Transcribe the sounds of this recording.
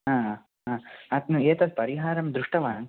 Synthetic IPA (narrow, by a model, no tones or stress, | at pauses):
ɦãː | ɦãːɐt̪nueːt̪ɐd̪̚pɐɾiɦaːɾɐmd̪ɾuʂʈɐʋaːŋ